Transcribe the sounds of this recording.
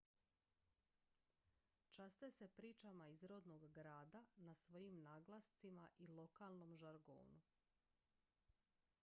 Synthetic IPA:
t͡ʃast̪ese̞pɾiːt͡ʃamaizɾo̞d̪no̞ɡːɾaːd̪anasʋo̞jimnaːɡlˠast̪simaʔilˠo̞kaːlˠno̞mʒaɾɡo̰ːnu

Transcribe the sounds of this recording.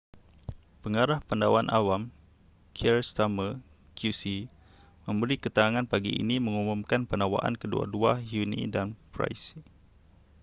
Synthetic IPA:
pəŋaɾahpəndawanʔawam | kʰiɛrst̪amə | kʰjusi | mə̃mbəɾikət̪əaŋanpaɡḭḭnimə̃ŋumumkanpənawa̰ʔa̰nkədṵa̰duaɦjunḭdanpɾa̰js

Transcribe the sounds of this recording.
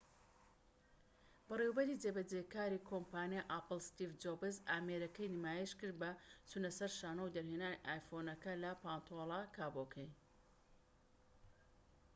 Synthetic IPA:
b̥ɨrewbɐɾid͡zebɐd͡zekaːɾiːkʰompaːnijaʔapɨlˠst̪ifd͡ʒobɨzaːmeɾɐkɐjnimaːjeʃkɨɾd̪̚bɐt͡sunɐsɐɾʃaːnɐwd̪ɐɾɦenaːniʔaːjfonɐkɐlɐpaːnt̪ʰolˠakʰaːbokʰej

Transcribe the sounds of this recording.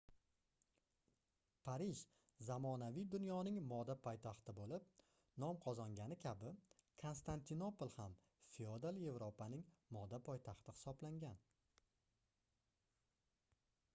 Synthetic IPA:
pʰaɾɪʃ | zamɒnavijd̪ʊnjɒnɪŋmɒd̪apʰɒjt̪ʰaχt̪ɪbolɪp̚ | nɒmqʰɒzɒŋɡʲanɪkʲʰabɪkʰo̞nst̪ant̪ʰino̞polˠham | fiod̪alˠje̞vɾopʰanɪŋmɒd̪apʰɒjt̪ʰaχt̪ɪhɪ̥sɒblaŋɡʲan

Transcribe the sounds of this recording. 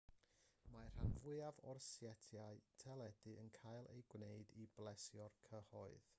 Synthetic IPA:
mar̥anvʊɨavɔ̰rsjɛtʰjaɨtʰɛlˠɛd̥ɨənkʰajlˠḛjɡwneɨdiblˠɛsjɔrkʰəhɔɨð̥

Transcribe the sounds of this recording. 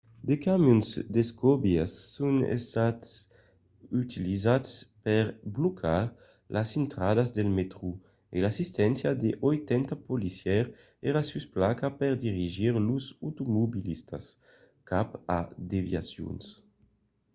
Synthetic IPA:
d̪ekamjunzd̪eskɔbjasːunḛst̪at̪s | yt̪ʰilizaspɛɾblokʰaɾ | lʔasint̪ɾadazd̪elmet̪ɾu | ḛlasist̪ɛnsjad̪eʔojt̪ɛnt̪apolisjɛɾ | ɛɾasysplakapɛʁd̪iʁiʒiɾluzut̪umobilist̪a̰s | kapa̰d̪evja̰sjṵns

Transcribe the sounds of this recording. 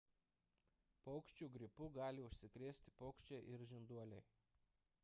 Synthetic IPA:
pɔʊkʃʲt͡ʃʲuːɡɾʲɪpʊɡɑːlʲɪʊʃʲsʲɪkɾʲeːsʲt̪ʲɪ̥pɔʊkʃʲt͡ʃʲeʔɪɾʒʲɪnd̪uɔlʲɛɪ

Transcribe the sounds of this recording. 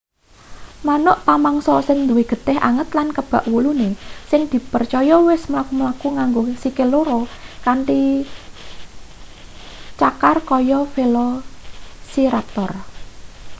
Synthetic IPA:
manʊʔp̪amaŋsɔsənd̪uweɡ̥ə̤t̪ɪhʔa̰ŋət̪lankəb̥a̤ʔwulunesɪŋd̪̥i̤pərt͡ʃɔjɔwɪsməlakuməlakuŋaŋɡosikeloɾɔkaɳʈi | t͡ʃakarkɔjɔfelɔ | siɾat̪ɔr

